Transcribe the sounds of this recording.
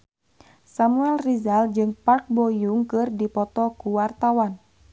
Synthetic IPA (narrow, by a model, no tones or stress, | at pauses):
samuɛlrizald͡ʒɨŋpark̚bɔjuŋkɨrdipɔt̪ɔkuwart̪awan